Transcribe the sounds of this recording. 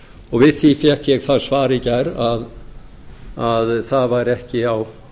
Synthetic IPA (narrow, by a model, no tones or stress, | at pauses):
ɔɣvɪðθifjɛhkjɛɣθaðsvaːɾɪcaɾað | aðθaðvaɾɛhcɪaw